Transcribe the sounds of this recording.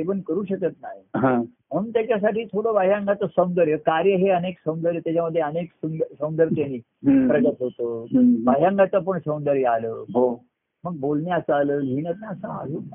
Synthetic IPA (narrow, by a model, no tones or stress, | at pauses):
eʋənkəɾuːɕəkət̪na̰ɦiɦã | m̤ənt̪jat͡ɕas̬aʈiːt̪ʰoɽoʋaɦjãŋɡat͡səsəw̃nd̪əɾjəkaɾjəɦeəneksəw̃nd̪əɾjət̪jat͡ɕaməd̪ʱːjeəneksəd̪səwnd̪əɾt̪janiː | pɾəɡət̪ɦot̪obaɦjãŋɡat͡səp̬əɳsəw̃nd̪əɾjəalə̰ːɦo | məɡ̚bolnjat͡saləːlinət̪̚naəsaa̰ɦuː